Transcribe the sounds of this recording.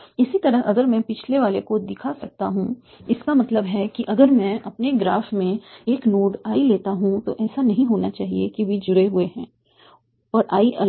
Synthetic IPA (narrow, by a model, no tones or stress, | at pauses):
ɪsit̪ɐɾəɦʔɐɡəɾmɛ̃pɪt͡ʃʰleʋaːlekod̪ɪkʰasɐk̚t̪a̰ɦũ | ɪskamɐt̪ləbɦɛkiʔɐɡəɾmɛ̃ɐpneɡɾaːfmẽeːknoːɖaːileːt̪aɦũt̪oʔɛːsanɐɦĩɦoːnat͡ʃaːɦiekiʋid͡ʒʊɾeɦʊeɦɛ̃ː | ɔːɾʔaːiʔɐ